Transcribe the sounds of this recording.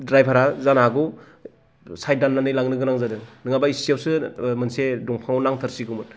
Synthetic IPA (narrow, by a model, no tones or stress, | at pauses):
dɾajpʰaɾazanaɡu | sajdanːanɯjlaŋnɯɡɯnaŋzadɯnɯŋabaisijawsɯmɯnsedɔŋpʰaŋawnaŋtʰɯɾsiɡumɯt